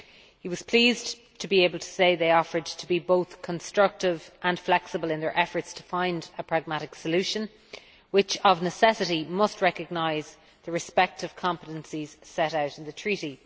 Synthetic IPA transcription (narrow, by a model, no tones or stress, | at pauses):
hiwɒz̥pʰl̥iːz | tʰəbieɪbəlˠtʰə̥seɪðeɪɔfə˞d̚tʰəbiboʊθkʰə̃nstɹ̥ʌk̚tɪvʔə̃nflɛksəbəlɪ̃nðə˞ʔɛfə˞tstʰəfãɪ̃ndəpʰɹ̥aɡ̚maɾɪksəlʉʃə̃n | wɪt͡ʃəvnəsɛsɪɾimʌst̚ɹɛkəɡ̚naɪz | ðəɹɨspɛk̚təv̥kʰɑ̃mpəɾə̃nsiz̥sɛɾaʊɾɪ̃nðətʰɹ̥iɾi